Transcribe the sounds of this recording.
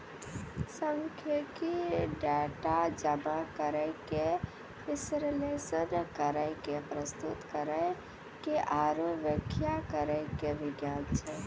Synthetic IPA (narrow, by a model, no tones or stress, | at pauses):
sə̃ŋkʰjəkeɖɛʈad͡ʒəmakəɾəɪke | ɪsɾlesənkəɾəɪkepɾəst̪ut̪kəɾəɪ | keʔaɾoʋjəkʰjakəɾəɪkeʋɪɡjant͡ʃʰɛ